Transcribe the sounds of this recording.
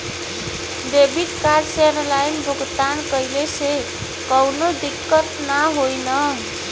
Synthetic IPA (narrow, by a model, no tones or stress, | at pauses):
d̪ebit̪kaɾsenlajnbʱuɡt̪ankəjlese | kʌwnod̪ikːət̪naɦojnʌ